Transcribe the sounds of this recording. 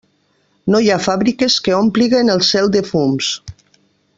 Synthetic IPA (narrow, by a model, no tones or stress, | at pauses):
nojafaβɾikeskeompliɣenelˠsɛlˠd̪efums